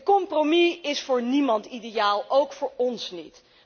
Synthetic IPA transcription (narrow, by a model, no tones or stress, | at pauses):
kɔmpromiɪsfʊːɹnimɑntidejaːlˠowkfʊːɹɔnsnḭt